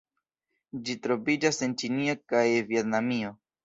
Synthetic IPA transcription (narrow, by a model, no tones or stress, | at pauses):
d͡ʒitɾo̞vid͡ʒase̞nt͡ʃinio̞kajvietnamio̞